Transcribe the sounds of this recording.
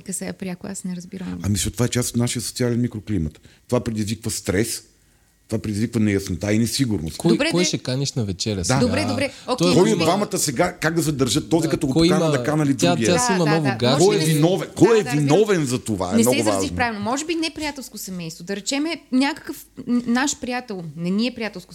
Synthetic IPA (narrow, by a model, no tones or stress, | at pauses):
kəsɛapɾʲjakoasnɛɾɐzbiɾəmɐmisɛt̪ːovaɛt͡ʃast̪o̥t̪naʃijəso̥t̪sialɛnmikɾoklimət̪t̪ovapɾɛd̪izvikvɐst̪ɾɛs | t̪ovapɾɛd̪izvikvɐnɛjɐsnot̪ainɛsiɡʊɾno̰st̪ɔobɾɛkjʃɛkanʲiʃnɐvɛt͡ʃɛɾʲɐd̪ad̪obɾɛd̪obɾɛokɛkɔid̪vamɐt̪əsɛɡakaɡ̚d̪ɐsɛd̪ɐɾʒət̪ːɔzikɐt̪ɔɡokanɐd̪ɐkanɐlid̪uɡʲiɛasimɐd̪ɔɡʊɡakɔjɛvvinɔvɛnkɔjɛvinɔvɛnzɐt̪ova̰ɛmɛnɔɛɡʊvaaʒinopɾavilˠnomɔʒɛbinɛpɾijat̪ɛlˠskosɐmɛjst̪vod̪ɐɾɛt͡ʃɛmɛnʲakɐ̥kəfnaʃpɾijat̪ɛlˠnɛniɛpɾʲijat̪ɛlˠsko